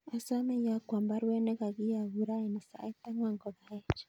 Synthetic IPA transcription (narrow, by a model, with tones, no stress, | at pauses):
a˨sa˦mɛ˦ja˨kwa˨mba˦ɾwɛ˦nɛ˦ɣa˨ɣi˦ja˨βu˨ɾa˦i˨ni˨sa̰˨i˦t̪a˦mwa˨ŋɡɔ˨βa˨ɛ˦t͡ʃḁ